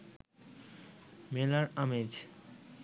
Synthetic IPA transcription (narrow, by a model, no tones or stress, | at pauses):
melaɾamed͡ʑ